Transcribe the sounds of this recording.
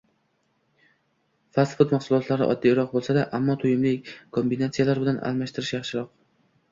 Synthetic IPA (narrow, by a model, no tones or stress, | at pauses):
fasɪ̥fɒt̪maχsʊlˠɒt̪ʰlaɾɪ̰ʔɒ̰d̪ːijɾɒq̚bolˠsad̪aʔamːɒt̪ʰʊjɪmlɪkʲkʰombinat̪sijalaɾbɪlanʔa̰lˠmaʃt̪ɪɾɪʃjaχʃɪɾɒq̚